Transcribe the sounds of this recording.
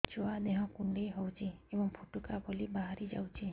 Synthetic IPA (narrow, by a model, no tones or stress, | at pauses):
t͡ʃoad̪eɦɔ̃kuɳɖejɦɔwt͡ʃʰiebɔŋpʰuʈukabɔlibaɦaɾid͡ʒa̰wt͡ʃʰi